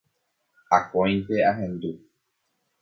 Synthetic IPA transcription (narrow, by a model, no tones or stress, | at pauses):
a̰kɔ̃ĩtɛaɦɛ̃nd̪u